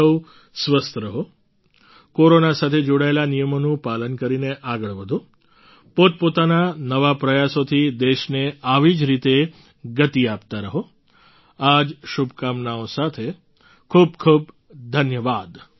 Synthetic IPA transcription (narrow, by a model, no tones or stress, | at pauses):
əw | sʋəst̪ʰəɾəɦo | koɾonasat̪ʰed͡ʒoɽaelanijəmonũpalənkəɾineʔaɡəɭʋəd̪ʱu | pot̪̚pot̪ananəʋapɾəjasot̪ʰid̪eʃneaʋid͡ʒɾit̪e | ɡət̪iap̚t̪aɾəɦo | ad͡ʒʃubʱkamnaosat̪ʰe | kʰuːb̚kʰub | d̪ʱənjəʋad̪